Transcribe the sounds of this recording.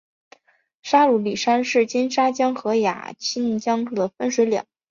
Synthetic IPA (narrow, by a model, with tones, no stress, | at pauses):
ʂa˥lu˧˥li˨˩ʂa˥nʂɻ̩˥˩t͡ɕi˥nʂa˥t͡ɕjɑ˥ŋxɤ˧˥ja̰˨˩t͡ɕʰi˥nt͡ɕjɑ˥ŋu˥˩d̪ə˩fə˥nʂwe˧˥ɪljɑ̰˨˩˦ŋ